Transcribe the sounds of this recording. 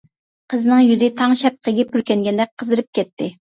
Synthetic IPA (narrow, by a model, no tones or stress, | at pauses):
qʰəzɨnɨŋjyzɪt̪ʰɑŋʃɛp̚qʰəɡʲɛpyɾkʲɛŋɡʲɛnd̪ɛk̚ʲqʰəzɨɾɨp̚kʲʰɛt̪ʰːɪ